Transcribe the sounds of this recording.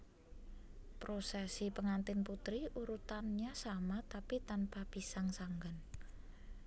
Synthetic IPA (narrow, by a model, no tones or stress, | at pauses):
pɾosɛsipəŋant̪ɪnput̪ɾiuɾut̪anɲasamat̪apit̪anpab̥isaŋsaŋɡan